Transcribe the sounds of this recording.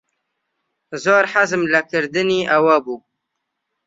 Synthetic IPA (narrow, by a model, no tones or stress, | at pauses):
zoːɾħazmlakəɾd̪ɨniʔawabuː